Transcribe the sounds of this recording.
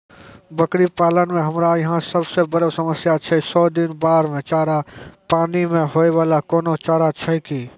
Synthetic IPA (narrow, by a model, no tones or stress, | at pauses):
bəkɾipaːlənmẽɦɐmɾajɐɦãsəbsebəɾosəməsjat͡ʃʰəisɔːd̪ɪnbaːɾmẽt͡ʃaːɾapaːnimẽɦoːeʋaːlakɔːnot͡ʃaːɾat͡ʃʰaikiː